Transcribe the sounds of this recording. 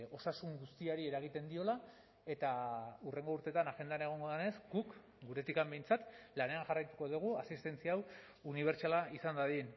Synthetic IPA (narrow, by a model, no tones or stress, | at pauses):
o̞sasuŋɡust̪iaɾie̞ɾaɣ̞it̪e̞nd̪io̞la | e̞t̪aure̞ŋɡouɾt̪e̞t̪anaxe̞nd̪ane̞ɣ̞o̞ŋɡo̞ðene̞zɡuk | ɡuɾe̞t̪ikambe̞jnt͡sat̪lane̞aŋʝarajt̪u̥ko̞ðuɣ̞uasist̪e̞nt͡siaw | uniβ̞e̞ɾt͡ʃalaisand̪aðien